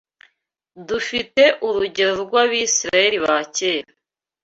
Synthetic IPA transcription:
dufite̞ʔuɾuɟeoɾɡwaβiːsiɾajeɾiβaceːɾa

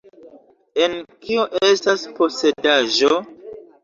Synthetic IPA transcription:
e̞nkʰioʔe̞staspo̞se̞daʒo̞

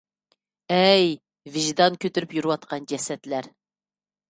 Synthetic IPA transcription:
ɛj | vɪʒd̪ɑnkʲʰøt̪yɾypjyɾɨwɑt̪̚qʰɑnd͡ʒɛsɛt̪læɾ

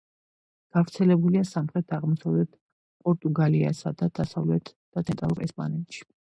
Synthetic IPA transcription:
ɡ̥avɾt̪sʰɛlɛbuliasamχɾɛt̪ʰaʁmɔsavlɛt̪ʰ | pʼɔɾt̪ʼuɡalia̰sad̪ad̪̥asavlɛt̪ʰd̪̥at̪ʰɛnt̪ʼɾa̰lˠuɾɛspʼa̰nɛt̪ʼʃi̥

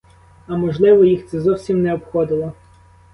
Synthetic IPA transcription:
ɐmɔʒlˠɪʋɔjixt̪sɛzɔwsʲimnɛɔpxɔd̪ɪlˠɔ

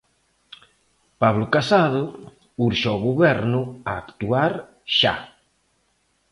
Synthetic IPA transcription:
paβlʊkasaðʊ | uɾʃoɣoβɛɾnʊaːkt̪uaɾ | ʃa̰

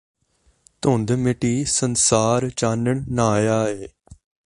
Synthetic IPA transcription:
t̪oːnd̪mɪʈiːsənsaːɾt͡ʃaːnəɳnaːjaːeː

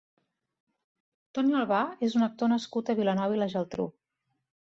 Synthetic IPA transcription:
t̪ɔnialˠβaezunək̚t̪onəskut̪əβilənɔβiləʒəlˠt̪ɾṵ

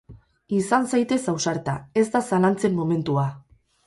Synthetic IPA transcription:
isansajt̪e̞sawsaɾt̪ae̞zd̪asalant͡se̞mːo̞me̞nt̪ua

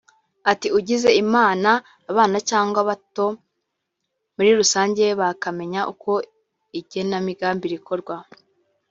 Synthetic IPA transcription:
atiuɟize̞imaːnaː | βaːnacaːŋɡwaβato̞ | muɾiɾusaːɲɟe̞βakame̞ɲaʔuko̞ | iɟe̞namiɡaːmbiɾikʰo̞ɾɡwa

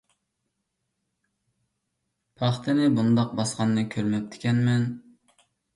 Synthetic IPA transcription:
pʰɑχt̪ʰɨnɪbund̪ɑq̚bɑsqɑnːɨkʲʰøɾmɛp̚t̪ʰɪ̥kʲɛnmɛn

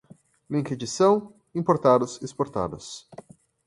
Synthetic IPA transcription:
lĩked͡ʒisɐ̃w̃ | ĩmpoɾt̪ad̪ʊsespoɾt̪a̰d̪ʊs

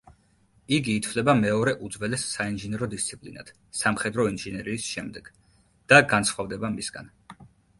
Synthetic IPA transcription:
iɡiːt̪ʰvlɛbamɛɔɾɛʔud̪zwɛlɛsːainʒinɛɾɔd̪ist̪sʰipʼlina̰d̪̥ʰ | samχɛd̪ɾɔinʒinɛɾiːsʃɛmd̪ɛɡ̥ | d̪̥aɡansχwavd̪ɛbamisɡ̥a̰n

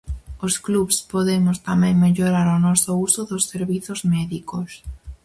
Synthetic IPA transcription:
oskluβspoðemʊst̪amɛ̃ŋmeʎoɾaɾonɔsʊusʊðʊsːeɾβiθozmɛðikos

